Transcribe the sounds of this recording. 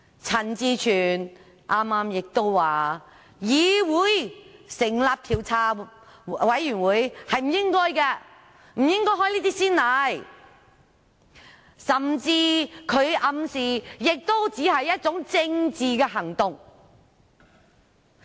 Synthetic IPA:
t͡sʰɐ˨˩nt͡siː˧t͡ʃʰyː˨˩n | ʔaː˥maː˧˥mjɪ˨k̚t̪o˥wːaː˨ | jiː˨˧wuː˨˥jsɪ˨˩ŋlaː˨˧p̚t̪ʰiː˨˩wt͡sʰaː˧ | wɐ˨˥jjyː˨˩nwuː˨˥jhɐ˨jm̩˨˩jɪ˥ŋkɔː˥jkɛː˧ | m̩˨˩jɪ˥ŋkɔː˥ɦɔː˥jliː˥t̪iː˥siː˥nlɐ˨˥j | sɐ˨mt͡siː˧kʰɵ˨˧ɥʔɐ˧msiː˨jɪ˨k̚t̪o˥wt͡siː˨˥ɦɐ˨jːɐ˥t̚t͡sʊ˨˥ŋt͡sɪ˧ŋt͡siː˨kɛː˧ɦɐ˨˩ŋt̪ʊ˨ŋ

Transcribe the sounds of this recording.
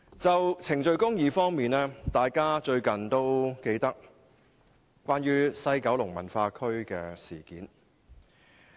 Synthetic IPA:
t͡sɐ˨wt͡sʰɪ˨˩ŋt͡ʃɵ˧ɥkʊ˥ŋjiː˨˧fɔː˥ŋmiː˨nɛː˥t̪aː˨jkaː˥t͡ʃɵ˧ɥkɐ˨nt̪o˥wke˧jt̪ɐ˥k̚ | kːʷaː˥nɥyː˥sɐ˧jkɐ˨˥wlʊ˨˩ŋmɐ̰˨˩nfaː˧kʰɵ˥ɥkɛː˧siː˨˩kiː˨˥n

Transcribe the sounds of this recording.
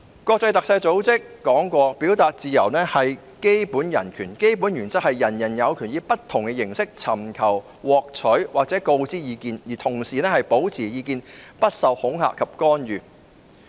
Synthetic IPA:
kʷɔː˧k̚t͡sɐ˧jt̪ɐ˨k̚sɐ˧jt͡so˨˥wt͡sɪ˥kːɔː˨˥ŋkʷɔː˧piː˨˥wt̪aː˨t̚t͡siː˨˧jɐ˨˩wnɛː˥hɐ˨j | ke˥jpuː˨˥njɐ̰˨˩nkʰyː˨˩nke˥jpu˨˥njyː˨˩nt͡sɐ˥k̚hɐ˨jːɐ˨˩njɐ˨˩njɐ˨˧wkʰyː˨˩njiː˨˧pɐ˥t̪ʰʊ˨˩ŋkɛ˧jɪ˨˩ŋsɪ˥k̚t͡sʰɐ̰˨˩mkʰɐ˨˩w | wɔː˨k̚t͡sʰɵ˨˥ɥwaː˨k̚t͡sɛː˨˥ko˧wt͡siː˥jiː˨˧kiː˧njiː˨˩t̪ʰʊ˨˩ŋsiː˨˩nɛː˥hɐ˨jpo˨˥wt͡sʰiː˨˩jiː˨˧kiː˧npɐ˥t̚sɐ˨whʊ˨˥ŋha̰ː˨kʰːɐ˨p̚kɔː˥njyː˨

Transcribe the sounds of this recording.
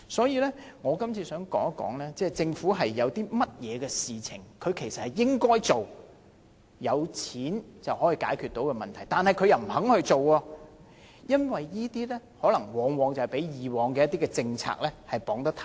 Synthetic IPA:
sɔː˨˥jiː˨˧lɛ˥ | ŋɔː˨˧kɐ˥mt͡sʰiː˧sœː˨˥ŋkɔː˨˥ŋɐ˥kːɔ̰ː˨˥ŋlɛː˥t͡sɛː˥t͡sɪ˧ŋfuː˨˥ɦɐ˨jːɐ˨˧wt̪iː˥mɐ˥t̚jɛː˨˧kɛː˧siː˨t͡sʰɪ˨˩ŋkʰɵ˨˧ɥkʰe˨˩jsɐ˨t̚hɐ˨jɪ˥ŋkɔː˥jt͡so˨w | jɐ˨˧wt͡sʰiː˨˥nt͡sɐ˨whɔː˨˥jiː˨˧kaː˨˥jkʰyː˨t̪o˨˥wkɛ˧mɐ˨nt̪ʰɐ˨˩jt̪aː˨nhɐ˨jkʰɵ˨˧ɥjɐ˨˩wm̩˨˩hɐ˨˥ŋhɵ˧t͡so˨wɔ˧ | jɐ˥nwɐ˨jjiː˥t̪iː˥lɛː˥hɔː˨˥lɐ˨˩ŋwɔː˨ŋwɔː˨ŋt͡sɐ˨hɐ˨˩pe˨˥jjiː˨˩wɔː˨˧ŋkɛː˧jɐ˥t̪ːiː˥kɛ˧t͡sɪ˧ŋt͡sʰa̰ː˧k̚lɛː˥hɐ˨jpɔː˨˥ŋt̪ɐ˥k̚t̪ʰa˨˩

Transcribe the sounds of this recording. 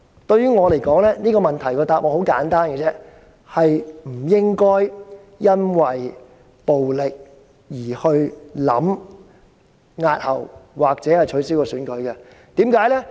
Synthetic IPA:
t̪ɵ˧ɥyː˥ŋɔː˨˧le˨˩jkɔː˨˥ŋlɛː˥niː˥kɔː˧mɐ˨nt̪ʰɐ˨˩jkɔː˧t̪aː˨p̚ʔɔː˨˧ho˨˥wkaː˨˥nt̪aː˥nkɛ˧t͡sɛ˥ | hɐ˨jm̩˨˩jɪ˥ŋkɔː˥j | jɐ˥nwɐ˨j | po˨wlɪ˨k̚ | jiː˨˩hɵ˧ɥlɐ̰˨˥m | ŋaː˧t̚hɐ˨˩wwaː˨k̚t͡sɛː˨˥hɐ˨jt͡ʃʰɵ˨˥siː˥wkɔː˧syː˨˥nkɵ˨˥ɥkɐ˧ | t̪iː˨˥mkaː˨˥jlɛ˥

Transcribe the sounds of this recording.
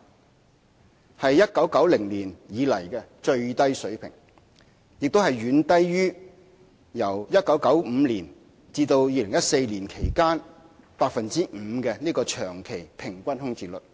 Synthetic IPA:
hɐ˨jːɐ˥t̚kɐ˨˥wkɐ˨˥wlɪ˨˩ŋliː˨˩njiː˨˧lɐ˨˩jkɛ˧t͡ʃɵ˧ɥt̪ɐ˥jsɵ˨˥ɥpʰɪ̰˨˩ŋ | jɪ˨k̚t̪o˥whɐ˨jɥyː˨˧˥nt̪ɐ˥jɥyː˥ | jɐ˨˩wjɐ˥t̚kɐ˨˥wkɐ˨˥wm̩ː˨˧liː˨˩n | t͡siː˧t̪o˧wjiː˧lɪ˨˩ŋjɐ˥t̚se˧jliː˨˩nkʰe˨˩jkaː˥n | paː˧k̚fɐ˨nt͡siː˥m̩˨˧˦kɛ˧niː˥kɔː˧t͡ʃʰœː˨˩ŋkʰe˨˩jpʰɪ˨˩ŋkʷɐ˥nɦʊ˥ŋt͡siː˨lɵ˨t̚

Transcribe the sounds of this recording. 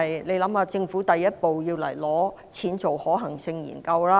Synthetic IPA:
jle˨˧jlɐ˨˥maː˧t͡sɪ˧ŋfuː˨˥t̪ɐ˨jːɐ˥t̚po˨wjiː˧wlɐ̰˨˩jlɔː˨˥ | t͡sʰiː˨˥nt͡so˨whɔː˨˥ɦɐ˨˩ŋsɪ˧ŋjḭː˨˩nkɐ˧wlaː˥

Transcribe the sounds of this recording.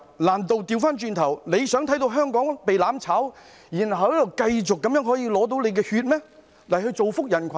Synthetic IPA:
laː˨˩nt̪o˨wt̪iː˧wfaː˥nt͡ʃyː˧nt̪ʰɐ˨˩wne˨˧jsœː˨˥ŋt̪ʰɐ˨˥jt̪̬o˧wɦœː˥ŋkɔː˨˥ŋpe˨jlaː˨˥mt͡sʰaː˨˥w | jiː˨˩nhɐ˨˩wjɐ˨˩wkɐ˧jt͡sʊ˨kːɐ˨˥mjœː˨˥ŋɦɔː˨˥jiː˧lɔː˨˥t̪̬o˨˥wle˨˧jkɛː˧hyː˧t̚mɛː˥ | lɐ˨˩jhɵ˧jt͡so˨wfʊ˥k̚jɐ˨˩nkʷʰɐ˨

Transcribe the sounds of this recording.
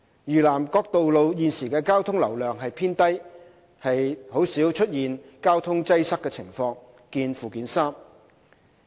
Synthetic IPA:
jyː˨˩laː˨˩mkɔː˧k̚t̪o˨wlo˨˧wjiː˨nsiː˨˩kɛː˧kaː˥wt̪ʰʊ˥ŋlɐ˨˩wlœː˨ŋɦɐ˨jpʰiː˥nt̪ɐ˥j | hɐ˨jho˨˥wsiː˨˥wt͡ʃʰɵ˥t̚jiː˨nkaː˥wt̪ʰʊ˥ŋt͡sɐ˥jsɐ˥kːɛː˧t͡sʰɪ˨˩ŋfɔː˧ŋ | kiː˧nfuː˨kiː˨˥nsaː˥m

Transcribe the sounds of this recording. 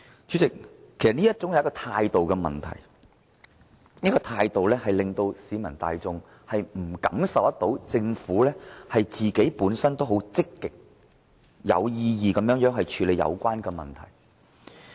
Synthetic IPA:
t͡ʃy˨˥t͡sɪ˨k̚ʰːe˨˩sɐ˨t̚niː˥jɐ˥t̚t͡sʊ˥ŋɐ˨˧wɐ˥kɔː˧t̪ʰaː˧jt̪o˨wkɛː˧mɐ̰˨˩nt̪ʰɐ̰˨˩j | nɐ˥kːɔː˧t̪ʰaː˧jt̪o˨wlɛː˥hɐ˨jlɪ˨ŋt̪o˧wsiː˨˥mɐ˨˩nt̪a̰ː˨jt͡sʊ˧ŋ | hɐ˨jm̩˨˩kɐ˨˥msɐ˨˩wt̪ɐ˥t̪̚o˨˥wt͡sɪ˧ŋfuː˨˥lɛː˥hɐ˨jt͡siː˨ke˨˥jpuː˨˥nsɐ˥nt̪o˥wɦo˨˥wt͡sɪ˥kːɪ˨k̚ | jɐ̰˨˧wjiː˧jiː˨˧kɐ˨˥mjœː˧˥ŋjœː˨˥ŋɦɐ˨jt͡ʃʰyː˨˧le˨˧jɐ̰˨˧wkʷaː˥nkɛː˧mɐ̰˨nt̪ʰɐ̰˨˩j

